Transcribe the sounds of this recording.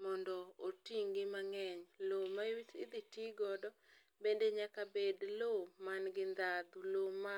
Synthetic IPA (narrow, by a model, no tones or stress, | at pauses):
mɔndɔotiŋɡɪmaŋɛɲlomawit̪ɪd̪itiɡɔdɔ | bendeɲakabedlomanɡɪnd̪ad̪uloma